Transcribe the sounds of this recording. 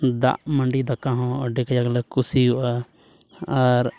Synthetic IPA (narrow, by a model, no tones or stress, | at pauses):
d̪a̰ʔməɳɖid̪akːãɦɔ̃ɖɛkajaklɛkusiɦuʔaː | ɾ